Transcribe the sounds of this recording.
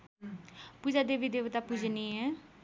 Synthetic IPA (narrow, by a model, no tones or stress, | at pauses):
pud͡ʒaːd̪eʋid̪eːʋt̪aːpud͡ʒniːɛː